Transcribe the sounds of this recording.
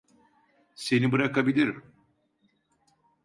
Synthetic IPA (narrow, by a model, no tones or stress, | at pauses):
se̞nibɯɾakabilʲiɾm